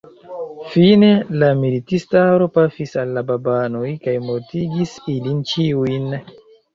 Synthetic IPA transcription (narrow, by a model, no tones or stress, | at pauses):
fine̞lamilitistaɾo̞pasisalːababanojkajmoɾtiɡisilint͡ʃiujn